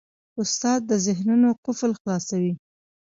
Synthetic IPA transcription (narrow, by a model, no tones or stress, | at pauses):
ʊst̪ɑd̪̚ːəzɪhnunoqʊflxlɑsawi